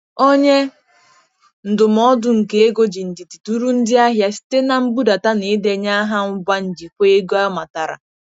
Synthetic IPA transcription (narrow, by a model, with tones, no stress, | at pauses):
o˦ɲe˦ | n̩˨dʊ˨m̩˨ɔ˦dʊ˨ŋ̩˨ke˦e˦ɡo˦d͡ʒi˨n̩˨di˨tu̥˨tu˦ɾu˦n̩˦dɪ˦a˦ɦja˦si̥˦te˦na˨m̩˦bu˦da˨ta˦ni˨˦de˨ɲa˦ɦa˦ŋ̩˦ɡʷa˦n̩˨d͡ʒi˨kʷe˦e˦ɡo˦a˦ma˨ta˨ɾa̰˨